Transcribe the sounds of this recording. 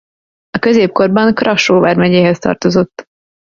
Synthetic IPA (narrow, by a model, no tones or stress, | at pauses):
ɒkø̞zeːp̚ko̞rbɒŋkrɒʃːoːvaːrmɛɲeːɦɛst̪ɒ̰rt̪o̞zo̞t̪ː